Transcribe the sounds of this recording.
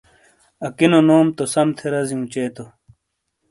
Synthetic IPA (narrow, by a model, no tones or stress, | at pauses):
ɐkinonoːmt̪osɐmt̪ʰeɾɐziũt͡ɕeːt̪o